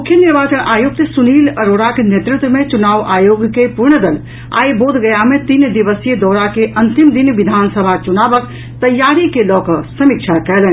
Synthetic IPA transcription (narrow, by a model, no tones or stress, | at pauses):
mmukʰjəniɾbat͡ʃəɽ̃ʔajuk̚t̪əsuniləɾoɽakenet̪ɾɪt̪wəmet͡ʃunaːʋʔajoɡkepuɾɳəd̪əl | a̰jbod̪ɡəjamet̪ind̪iʋəsjed̪ɔɾakeʔənt̪imd̪inʋid̪ʱansəbʱat͡ʃunabək | t̪əjːaɾikelɔkəsəmikt͡ʃʰakɛlɛn